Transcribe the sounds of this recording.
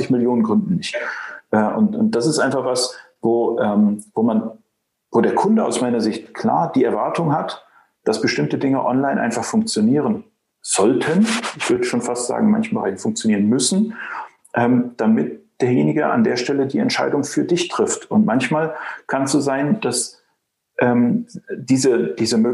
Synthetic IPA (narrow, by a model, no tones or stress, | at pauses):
ɪçmɪljoːnənɡʁʊndn̩nɪçtʔɛːʔʊ̰ntʊnt̚d̥asɪstʔaɪnfaχv̥as | voːʔɛːmvoːman | voːdeːɐkʰʊndəa̰ʊsmaɪnɐzɪçtkʰl̥a̰ːɐd̥iːɛɐvaɐtʊŋɦat | d̥asb̥əʃtɪmtədɪŋə̰ʔɔ̰nlaɪnʔa̰ɪnfaχfʊŋk̚t͡sjoniːʁən | z̥ɔltʰənʔɪçv̥ʏɐdəʃoːnfastz̥a̰ːɡŋ̩ma̰nçəmbəʁaɪnfʊŋk̚t͡sjoniːʁənmʏsn̩ | ʔɛːmd̥amɪt̚d̥eːɐjeːnɪɡəʔa̰ndeːɐʃtɛlədiːɛ̰ntʃa̰ɪdʊŋfyːɐdɪçtʁ̥ɪftʊntmançmaːlkʰansz̥oːzaɪnd̥as | ʔɛːmd̥iːzəd̥iːzəmøː